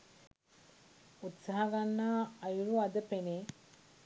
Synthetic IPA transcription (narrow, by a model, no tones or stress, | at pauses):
ut̪saɦaɡanːaːɐjuɾuad̪əpene